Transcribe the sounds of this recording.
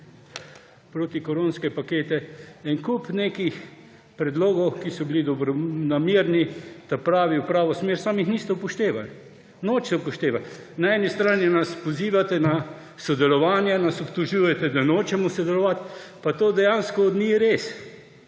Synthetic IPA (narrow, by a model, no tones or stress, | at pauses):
pɾoːt̪ikɔɾoːnskɛpakeːt̪ɛinkupneːkix | pɾɛd̪loːɡɔwkisɔbilid̪ɔbɾɔnamiːɾnid̪̥apɾaːʋiwpɾaːʋɔsmeːɾsaːmixniːst̪ɛwpɔʃt̪eːʋal | noːt͡ʃt̪ɛwpɔʃt̪eːʋal | naɛːnist̪ɾaːnjɛnaspɔziːʋat̪ɛna | sɔd̪ɛlɔʋaːnjanasɔpt̪ɔʒuːjɛt̪ɛd̪anoːt͡ʃɛmɔsɔd̪ɛlɔʋat̪ | pat̪oːd̪ɛjaːnskɔːd̪niɾeːs